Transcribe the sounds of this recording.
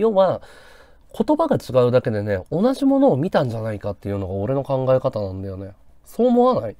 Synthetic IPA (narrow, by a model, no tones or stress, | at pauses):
jo̞βa | kʰo̞t̪o̞baɡat͡ɕiɡaɯ̟d̪ake̞d̪e̞ne̞o̞naʑimo̞no̞ːmʲit̪ãɲ̟d͡ʑanaikat̪ːe̞jɯ̟no̞ɡao̞ɾe̞no̞kãŋɡae̞kat̪anãnd̪ajo̞ne̞ | so̞ːmo̞βanai